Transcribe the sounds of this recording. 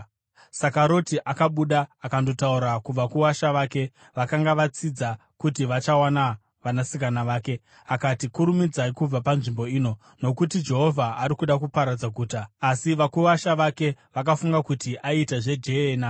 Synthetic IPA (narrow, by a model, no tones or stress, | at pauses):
sakaɾo̞tiʔakaɓuɗaːkando̞tauɾakuʋakuʋaʃaʋaːke̞ | ʋakaŋɡaʋat͡sid͡za | kutiʋat͡ʃawana | ʋanasikanaʋaːke̞ | akatikuɾumid͡zaikub͡vapanʐimbo̞iːno̞ | no̞kutid͡ʒe̞ɦo̞vʱaaɾikuɗakupaɾad͡zaɡʱuːtaːsiʋakuʋaʃaʋake̞ʋak̬afuŋɡakutiʔaitaʐe̞d͡ʒe̞ena